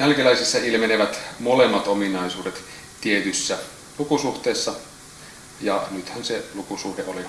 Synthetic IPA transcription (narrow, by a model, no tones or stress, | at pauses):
jælkelæisisːɑilmeneʋæt̪molemːɑt̪ominɑisuːdet̪ | t̪iet̪ysːæ | lukusuht̪eːsːɑ | jɑnyt̪hænselukusuːdeoli